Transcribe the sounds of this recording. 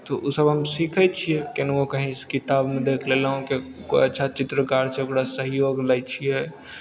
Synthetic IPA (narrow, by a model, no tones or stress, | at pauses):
t̪oʔusəbɦəmsikʰɛt͡ʃʰiekenokəɦĩskit̪abmẽd̪ekʰlelaɦũkeko̰jətːʃʰat͡ʃɪt̪ɾəkaɾt͡ʃʰɛokɽasəɦjoɡlɛt͡ʃʰijɛ